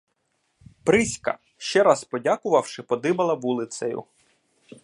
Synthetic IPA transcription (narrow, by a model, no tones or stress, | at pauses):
pɾɪsʲkɐ̰ | ʃt͡ʃɛɾɑspɔdʲakʊʋɐwʃɪpɔd̪ɪbɐlˠɐʋulˠɪt̪sɐjʊ̰